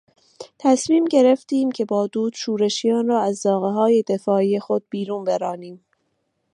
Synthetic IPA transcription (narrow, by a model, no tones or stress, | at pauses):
t̪ʰæsmiːmɟe̞ɾe̞ft̪iːmcʰe̞bɒːd̪uːd̪̥ʃuːɾe̞ʃijɒːnrɒːæzːɒːɣeɦɒːje̞d̪e̞fɒːiːje̞xo̞d̪̚biːɾuːnbeɾɒːniːm